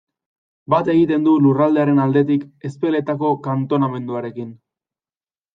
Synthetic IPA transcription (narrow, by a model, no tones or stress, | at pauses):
bat̪e̞ɣit̪e̞nd̪ulurald̪e̞aɾe̞nald̪e̞t̪ike̞spe̞le̞t̪ako̞kant̪o̞name̞nd̪uaɾe̞kin